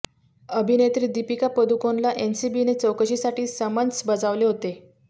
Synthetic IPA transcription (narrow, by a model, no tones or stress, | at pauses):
əbʱinet̪ɾiːd̪ipikapəd̪ukonlaʔensibinet͡səwkəɕiːsaʈʰiːsəmənt͡sbəd͡zaʋleɦot̪e